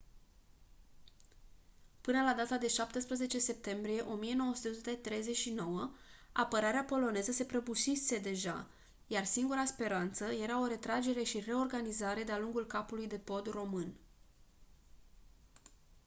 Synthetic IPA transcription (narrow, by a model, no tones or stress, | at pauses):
pɨnəlad̪at̪ad̪e̞ʃap̚t̪əspɾəze̞t͡ʃe̞se̞p̚t̪e̞mbɾije̞ʔo̞mije̞no̞woəsu̥t̪eosut̪et̪ɾe̞jze̞t͡ʃʲʃino̞wəapəɾaɾeapo̞lo̞ne̞zəse̞pɾəbuʃise̞d̪e̞ʒa̰ | jarsiŋɡuɾaspe̞ɾant̪səje̞ɾao̞ɾe̞t̪ɾad͡ʒe̞ɾe̞ʃire̞o̞rɡanizaɾe̞d̪ealuŋɡulkapulujd̪e̞po̞d̪ro̞mɨn